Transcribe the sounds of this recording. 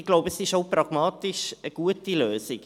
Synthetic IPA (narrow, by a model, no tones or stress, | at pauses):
ɪɡ̥loʊbəɛsɪʃoʊprɑɡ̥mɑːtɪʃəɡ̥uətiløːzɪk